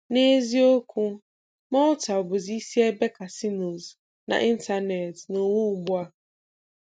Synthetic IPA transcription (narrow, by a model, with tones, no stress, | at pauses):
ne˦zi˦o˦kʷʰu˦ | mɔ̃˦ʊ˦ta˨bo˨zi˦si˦ɛ˦bɛ˦kʰa˨si˦no˨z | nã̰˨ʔi˦n̩˦tʰa˦nɛ˨tnʊ̃˨wu˦bʊ˦a˦